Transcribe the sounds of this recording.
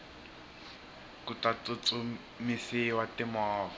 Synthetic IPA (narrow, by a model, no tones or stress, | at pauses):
kutat͡sʊt͡su | misɪwatɪmɔːvɔ